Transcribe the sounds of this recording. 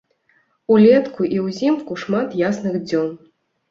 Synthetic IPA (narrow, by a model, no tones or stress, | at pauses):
ulʲɛt̪kuʔiwzʲimkuʂmat̪jasnɨɣd͡zʲɔn